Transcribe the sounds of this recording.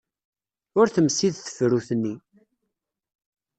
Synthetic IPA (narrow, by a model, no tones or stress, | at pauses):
ʊɾθəmsiðθə̥fɾuθənːi